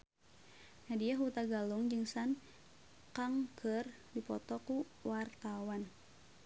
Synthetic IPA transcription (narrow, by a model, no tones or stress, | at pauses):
nadiaɦut̪aɡaluŋd͡ʒɨŋsan | kaŋkʰɨr | dipɔt̪ɔku | wart̪awan